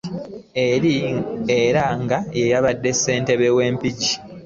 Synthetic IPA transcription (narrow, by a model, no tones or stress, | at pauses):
ieɾaŋɡaje̞jaβadːe̞sːe̞ːnte̞βe̞we̞ːmpiɟi